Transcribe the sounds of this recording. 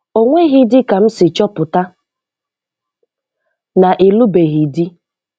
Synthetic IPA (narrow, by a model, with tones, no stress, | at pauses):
o˦ŋʷe˦ɦi˦dɪ˦ka˨m̩˦sɪ˨t͡ʃɔ˦pʊ˨ta˦ | na˨ʔɪ˨lu˦be˨ɣi˨di˦